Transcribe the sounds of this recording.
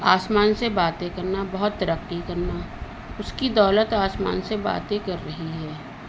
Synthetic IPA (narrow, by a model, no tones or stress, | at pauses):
aːsmaːnsebaːt̪ẽkɐɾnabɐɦʊt̪ːɾəkːikɐɾna | ʊskid̪ɔːlət̪aːsma̰ːnseba̰ːt̪ẽkɐɾːɐɦiɦɛː